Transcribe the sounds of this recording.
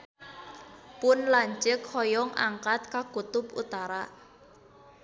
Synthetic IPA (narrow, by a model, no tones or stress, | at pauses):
pʊnlaɲt͡ʃəkhɔjɔŋʔa̰ŋkat̪̚kaɡ̥ut̪ʊput̪aɾa